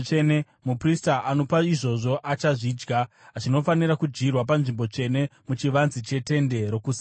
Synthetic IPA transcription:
ene | mupristaʔano̞paiʐo̞ʐo̞ʔat͡ʃaʐiːd͡ʒɡa | t͡ʃino̞faniɾakud͡ʒɡirwap̬anʐimbo̞t͡ʂe̞ne̞mut͡ʃiʋanzit͡ʃe̞te̞nde̞ɾo̞kuːsi

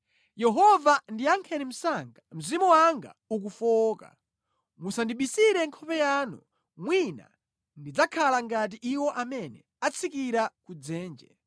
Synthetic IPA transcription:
jɛɦɔvandiaŋkʰɛnim̩saŋɡam̩zimuwaŋɡa̰uk̬ufɔːka̰ | musandiɓisiɾɛŋkʰɔpɛjaːnṵ | mwina̰ | ndid͡zakʰalaŋɡat̬iʔiwɔʔamɛnɛ | at͡sʰikiɾakud͡zɛːnd͡ʒɛ

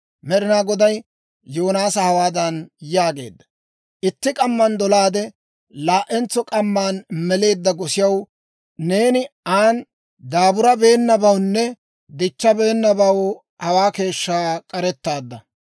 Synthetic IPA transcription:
mɛɾɪnaːɡɔd̪ɐjː | oːnaːsɐhɐwaːd̪ɐnjaːɡe̞̰ːd̪ːɐ̥ | ʔɪt̪ːɪkʼɐmːɐnd̪ɔlaːd̪ɛ | laːʔɛnt͡sːɔkʼɐmːaːnmɛle̞ːd̪ːɐɡɔsɪjɐw | ne̞ːnɪaːn | d̪aːbʊɾɐbe̞ːnːɐbɐwnːɛ | d̪ɪt͡ʃːɐbe̞ːnːɐbɐw | hɐwaːke̞ːʃːaːkʼɐɾɛt̪ːaːd̪ːɐ

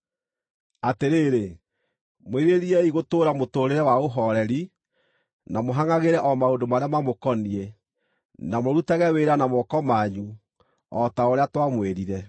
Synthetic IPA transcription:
ateɾeːɾe | mweɾeɾiɛiɣotoːɾamotoːɾeɾɛwaoɦɔɾɛɾi | namoɦaŋaɣeɾɛʔɔmaondomaɾeamamokɔniɛ | namoɾutaɣɛweɾanamɔkɔmaɲu | ɔtaoɾeatwamweɾiɾɛ

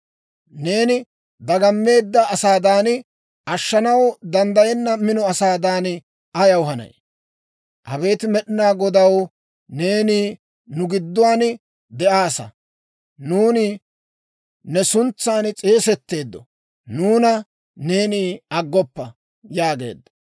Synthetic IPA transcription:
ne̞ːnɪ | d̪ɐɡɐmːe̞ːd̪ːɐːsaːd̪aːn | ɐʃːɐnɐwd̪ɐnd̪ɐjɛnːɐmɪnɔɐsaːd̪aːn | ʔɐjɐwɦɐnɐ̰j | ʔɐbe̞ːt̪ɪmɛɗɪnaːɡɔd̪ɐw | ne̞ːniː | nʊɡɪd̪ːʊwaːn | d̪ɛʔaːsɐ̰ | nuːnɪ | nɛsʊnt͡sːaːnt͡sʼe̞ːsɛt̪ːe̞ːd̪ːɔ̰ | nuːnɐ | ne̞ːniːɐɡːɔpːɐ | jaːɡe̞̰ːd̪ːɐ̥

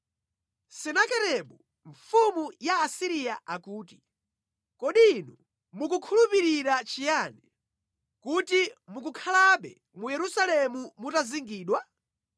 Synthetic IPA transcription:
sɛnakɛɾɛɓu | ɱfumujaːsiɾijaʔakuːti | kɔɗinu | muk̬ukʰulupiɾiɾat͡ʃijaːnɛ | kutimuk̬ukʰalaɓɛ | mujɛɾusalɛmumutaziŋɡiːɗwa

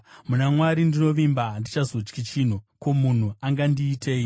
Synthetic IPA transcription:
munamwaɾindino̞ʋimbandit͡ʃazo̞t͡ʃkit͡ʃin̤uko̞mun̤uaŋɡandiːtʰeːi

